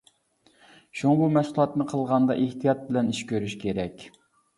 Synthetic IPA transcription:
ʃuŋɑbumɛsulˠɑt̪nɨqʰəlˠʁɑnd̪ɑ̰ʔeht̪ʰijɑt̪̚bɪlɛniʃkʲøɾyʃkʲʰeɾɛkʲ

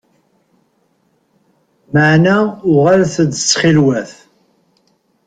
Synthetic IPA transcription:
məʕnaʊʁalθəd̪əsχilwæθ

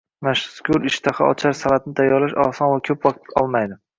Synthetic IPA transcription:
maʃskʲʰʊɾɪʃt̪ʰaχa̰ɒ̰t͡ʃʰaɾsalat̪̚nɪt̪ʰajɒɾlaʃɒ̰sɒnvakʲʰɵpwɒq̚t̪ɒlˠmajd̪ɪ

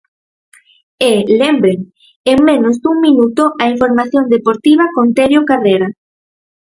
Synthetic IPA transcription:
elembɾeŋ | eŋmẽnozd̪uŋminut̪oʔaiɱfoɾmaθjond̪epoɾt̪iβ̞ɐkont̪eɾjokareɾa

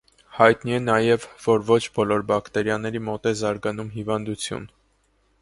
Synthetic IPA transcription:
hɑjt̪niɛnɑjɛvːɔɾvɔt͡ʃʰbɔlɔɾbɑkt̪ɛɾjɑnːɛɾimɔt̪ɛzɑɾɡɑnumɦivɑnd̪ut͡sʰjṵn

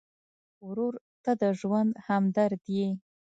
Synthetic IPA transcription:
wɾuɾ | t̪ad̪əʒwand̪hamd̪aɾd̪je

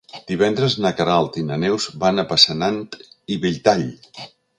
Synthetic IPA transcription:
d̪̥iβɛnd̪ɾəznəkəɾalˠt̪inənɛwzbanəpəsənant̪iβiʎt̪aʎ

